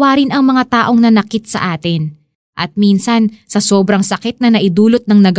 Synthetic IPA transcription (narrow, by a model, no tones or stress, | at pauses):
waːɾɪnɐŋmɐŋat̪aːʔo̞ŋnɐnɐkɪt̪̚sɐ̰ʔaːt̪ɪn | ʔɐt̪̚miːnsɐnsɐsoːbɾɐŋsɐkɪt̪̚nɐnɐʔɪd̪uːlot̪̚nɐŋnɐɡ